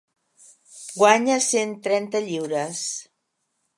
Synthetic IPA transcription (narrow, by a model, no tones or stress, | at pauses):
ɡwaɲəsent̪ɾɛnt̪əʎiwɾəs